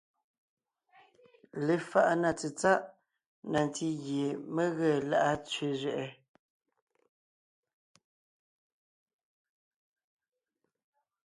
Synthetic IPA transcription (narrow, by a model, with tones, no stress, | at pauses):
le˨˦fa˦ʔna˨t͡si˨t͡sa˦ʔ | na˨n˨ti˦ɣje˨mə˦ɣə˦˨la˦ʔa˦t͡sɥe˦zɥɛ˨ʔɛ˨